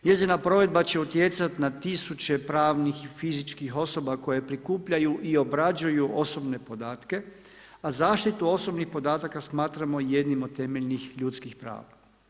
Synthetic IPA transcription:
ɲe̞zinapɾo̞ʋe̞d̪̚bat͡ɕe̞ut̪je̞t̪sat̪nat̪isut͡ɕe̞pɾaːʋnixfizit͡ʃkixo̞so̞bako̞je̞pɾikuːpʎajuʔio̞bɾad͡ʒujuʔo̞so̞bne̞po̞d̪aːt̪ke̞ | azaːʃt̪it̪uo̞so̞bnixpo̞d̪aːt̪akasmaːt̪ɾamo̞je̞d̪nimod̪t̪ːe̞meʎnixʎut̪skixpɾa̰ːʋa

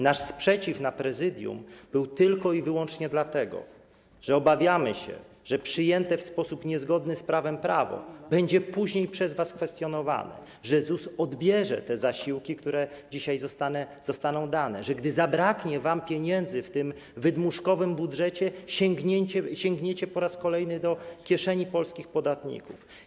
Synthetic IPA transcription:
naʂspʂɛt͡ɕifnapɾɛzɘd̪ʲjṵmb̥ɘwt̪ɘlkɔivɘwɔnt͡ʂɲɛd̪lat̪ɛɡɔ̰ | ʐ̥ɛɔbavʲjamɘɕɛ̰ | ʐɛpʂɘjɛnt̪ɛfspɔsupɲɛzɡɔd̪nɘspɾavɛmpɾavɔ̰bɛɲd͡ʑɛpuʑɲejpʂɛzvaskfɛst̪ʲjɔnɔva̰nɛ̰ | ʐɛzusɔd̪bʲjɛʐɛ̰t̪ɛzaɕiwkʲikt̪uɾɛd͡ʑiɕajzɔst̪anɛzɔst̪anɔ̃w̃d̪anɛʐɛɡd̪ɘzabɾakɲɛvampʲjeɲɛnd̪zɘft̪ɘm | vɘd̪muʂkɔvɘmbudʐɛt͡ɕɛɕɛŋɡɲɛɲt͡ɕɛɕɛŋɡɲɛt͡ɕɛpɔɾaskɔlɛjnɘd̪ɔkʲjɛʂɛɲipɔlskʲixpɔd̪at̪ɲḭkuf

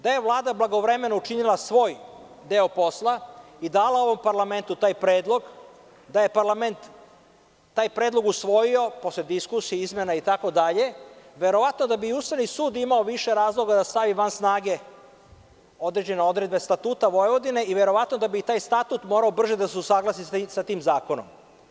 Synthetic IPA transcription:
d̪aje̞ʋlˠaːd̪ablaɡo̞ʋɾe̞me̞nout͡ʃinilasʋo̞ːj | d̪e̞opo̞slˠa | id̪aːlˠao̞ʋo̞mpaɾlame̞nt̪ut̪aːjpɾeːd̪lˠo̞ɡ | d̪aje̞paɾlame̞nt̪ː | aːjpɾeːd̪lˠo̞ɡusʋo̞jio̞po̞sled̪iskusijeizmje̞nait̪ako̞d̪aʎe̞ʋe̞ɾo̞ʋat̪no̞d̪abiust̪aʋnisuːd̪imaoʋiʃe̞ɾaːzlˠo̞ɡad̪ast̪aʋiʋansnaːɡe̞ | o̞d̪ɾe̞d͡ʑe̞neo̞d̪ɾe̞d̪̚be̞st̪at̪uːt̪aʋo̞jeʋo̞d̪ine̞iʋe̞ɾo̞ʋat̪no̞d̪abit̪aːjst̪at̪ut̪moːɾaobr̩ʒed̪aseusaːɡlˠasissat̪iːmzaːko̞nom

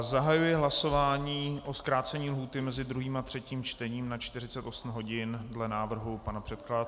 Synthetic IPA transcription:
zaɦajujɪɦlaso̞vaːɲiːʔo̞skɾaːt͡sɛɲiːlɦuːt̪ɪmɛzɪd̪ɾuɦiːmat̪r̥ɛciːmt͡ʃt̪ɛɲiːmnat͡ʃt̪ɪrɪt͡sɛt̪ʔo̞sm̩ɦo̞ɟɪndlɛnaːvr̩ɦupanapr̥ɛt̪̚klat̪

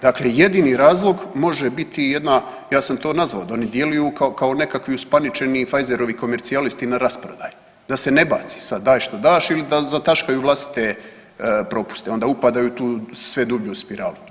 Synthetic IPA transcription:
d̪akleje̞d̪iniɾaːzlˠo̞ɡmo̞ʒebit̪ʰije̞d̪na | jaːsamt̪o̞ːnazʋaod̪aonid̪je̞lujukakao̞ne̞kakʋiuspanit͡ʃe̞nifajze̞ɾo̞ʋiko̞me̞ɾt̪sialist̪inaɾaspɾod̪aːju | d̪ase̞ne̞ba̰ːt̪si̥sad̪ːaːjʃt̪o̞d̪aːʃilid̪azat̪aʃkajuʋlˠast̪i̥t̪e̞ | pɾo̞pu̥st̪eo̞nd̪aːupad̪ajut̪uːsʋe̞d̪ubʎuspiɾaːlu

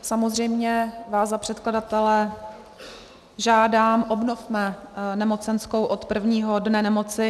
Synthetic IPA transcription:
samozr̝ɛjmɲɛvaːzzapr̥ɛt̪kladat̪ɛlɛ | ʒaːdaːmʔo̞bno̞fmɛnɛmo̞t͡sɛnsko̞wʔot̪pr̩vɲiːɦo̞dnɛnɛmo̞t͡sɪ

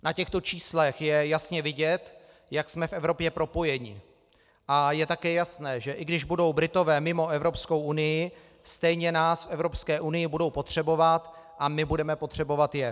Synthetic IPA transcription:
nacɛxt̪o̞t͡ʃiːslɛxjɛjasɲɛvɪɟɛt̪ | jaksmɛfʔɛvɾo̞pjɛpɾo̞po̞jɛɲɪ̰ | ʔajɛt̪akɛːjasnɛːʒɛʔɪɡdɪʒbudo̞wbɾɪt̪o̞vɛːmɪmo̞ʔɛvɾo̞psko̞wʔunɪjɪ | st̪ɛjɲɛnaːsfʔɛvɾo̞pskɛːʔunɪjɪbudo̞wpo̞t̪r̝̥ɛbo̞vat̪ | ʔamɪbudɛmɛpo̞t̪r̝̥ɛbo̞vat̪jɛ

